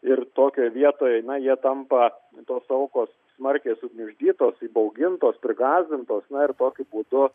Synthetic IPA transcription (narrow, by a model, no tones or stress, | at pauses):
ɪrt̪oːkʲoːjʋʲiɛt̪oːjɛjnɐɪjiɛt̪ɐmpɐ | t̪oːsɐʊkoːs | smɐɾʲkʲeːsʊɡʲmʲʊʒʲd̪ʲiːt̪oːsiːbɐʊɡʲɪnt̪oːspʲɾʲɪɡɑːzʲd̪ʲɪnt̪oːsnɐɪrt̪oːkʲʊbuːd̪ʊ